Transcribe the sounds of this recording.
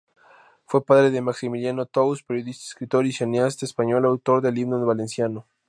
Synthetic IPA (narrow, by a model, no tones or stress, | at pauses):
fwe̞paðɾe̞ðe̞maksimiljanot̪ouspeɾjoðist̪aeskɾit̪oɾiseneast̪aespaɲo̞lawt̪o̞ɾðeliβnonβalensjano